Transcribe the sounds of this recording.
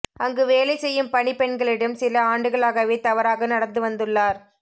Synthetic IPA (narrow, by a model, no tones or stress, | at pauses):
ɐŋɡɯʋeːlɐɪsɛjːɯmpɐɳipɛɳɡɐɭɪɽɐmsɪlɐaːɳɖɯɣɐɭaːɣɐʋeːt̪ɐʋɐɾaːɣɐnɐɽɐt̪ːɯʋɐnd̪ɯɭːaːɾ